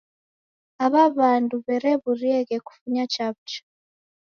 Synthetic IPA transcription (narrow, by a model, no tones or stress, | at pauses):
aβaβaːnduβeɾeβuɾieɣeku̥fuɲat͡ʃaβt͡ʃḁ